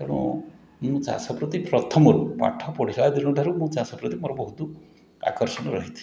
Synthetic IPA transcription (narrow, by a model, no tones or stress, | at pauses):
kaɽ̃ɔ̰̃ | mũt͡ʃa̰sɔpɾɔt̪ipɾɔt̪ʰɔmɔɾupa̰ʈʰɔpɔɽiɾaad̪iɽ̃ɔʈaɾumũt͡ʃasɔpɾɔt̪imoɾɔbɔɦut̪u | a̰kɔɾsɔnɔɾɔɦit̪ʰi̥